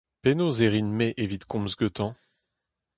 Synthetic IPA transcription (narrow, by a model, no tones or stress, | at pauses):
penozeʁinmeʔevit̪kʰɔ̃mzɡøt̪ɑ̃